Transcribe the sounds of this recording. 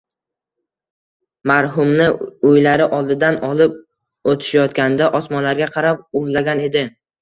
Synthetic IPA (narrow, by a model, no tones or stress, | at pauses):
maɾɦʊmnɪʊjlaɾɪʔɒlˠd̪ɪd̪anɒlˠɪp̚ | ot̪ʰɪ̥ʃajɒt̪kʲand̪aʔɒsmɒnlaɾɡʲaqʰɑɾap̚ʊvlaɡʲane̞d̪ɪ